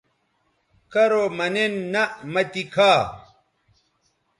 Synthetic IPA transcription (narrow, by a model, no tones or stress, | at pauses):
kɐɾomɐnenːɐʔmɐt̪ikʰaː